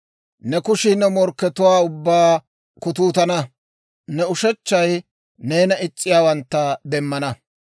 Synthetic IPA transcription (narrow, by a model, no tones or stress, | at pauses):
nɛkʊʃɪnɛmɔɾkːɛt̪ʊwaːʊbːaː | kʊt̪̬uːt̪ɐnɐ | nɛʊʃɛt͡ʃːɐj | neːnɐɪt͡sʼːɪjaːwɐnt̪ːɐd̪ɛmːɐnɐ